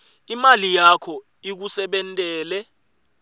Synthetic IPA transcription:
imalijakʰɔ | ik̬usɛɓɛntʼɛːlɛ

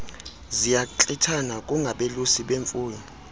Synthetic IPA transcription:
zijat͡ɬʼitʰanakʼuŋɡʱaɓelusiɓeɱfʼuːjɔ

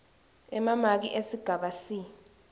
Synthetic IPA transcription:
ɛmamak̬ḭʔesiɡ̥ʱaɓasi

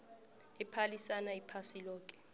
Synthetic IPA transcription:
ɛpʰalisanaipʰasilɔːk̬ʼɛ̥

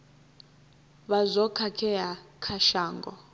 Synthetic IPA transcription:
βazɔkʰakʰɛjakʰaʃaːŋɡɔ̰

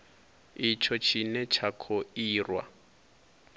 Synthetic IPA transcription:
it͡ʃʰɔt͡ʃʰinɛt͡ʃʰakʰoiːrwa̰

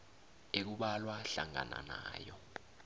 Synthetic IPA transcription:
ek̬uɓalwaɬaŋa̰nanaːjɔ

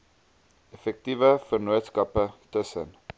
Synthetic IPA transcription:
ɛfɛk̚tivəfərnuətskɐpətəsən

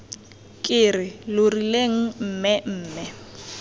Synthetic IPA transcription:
kʼɪrɪlʊrileŋ̩m̩ːmɛm̩ːmɛ

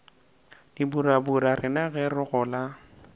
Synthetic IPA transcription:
dibuɾabuɾarɪnaɣɛrʊɣʊla

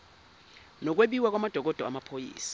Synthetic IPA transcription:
nɔk̬weɓiwak̬ʼwamad̥ʱɔk̬ɔd̥ʱɔa̰mapʰojḭːsḁ

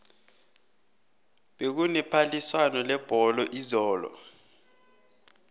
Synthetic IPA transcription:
ɓek̬unɛpʰaliswanɔlɛb̥ʱɔlɔʔizɔːlɔ̰

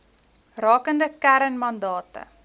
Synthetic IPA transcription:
rɑːkəndəkæɾənmɐndɑːtə̰

